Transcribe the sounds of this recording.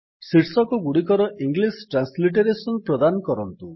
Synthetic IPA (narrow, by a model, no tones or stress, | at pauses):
siʈsɔkɔɡuɽikɔɾɔʔiŋɡlisʈɾansliʈeɾesɔnpɾɔd̪anɔkɔɾɔnt̪u